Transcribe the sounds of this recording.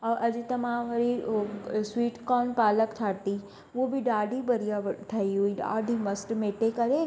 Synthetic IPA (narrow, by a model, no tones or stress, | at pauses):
ɔːʔɐd͡ʒt̪ɐmãʋɐɾi | swiːʈkɔːnpaːləkt̪ʰaːt̪i | obʱiɖaːɖʱibɐɾijaʋʈʰɐiɦuiɖa̰ːɖʱimɐsʈmeːʈekɐɾe